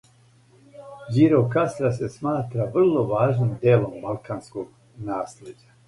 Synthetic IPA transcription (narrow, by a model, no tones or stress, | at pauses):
d͡ʑiɾokast̪ɾasesmaːt̪ɾaʋr̩lˠo̞ʋaːʒnimd̪eːlo̞mːalkanskoɡ | naːsled͡ʑa